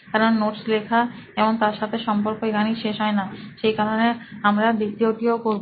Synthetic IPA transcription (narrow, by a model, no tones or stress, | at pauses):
kaɾonːoʈslekʰaeboŋt̪aɾʃat̪ʰeʃɔmpoɾkoeɡaniʃeʃɦɔenaʃejkaɾoneamɾad̪it̪ːioʈiokoɾbo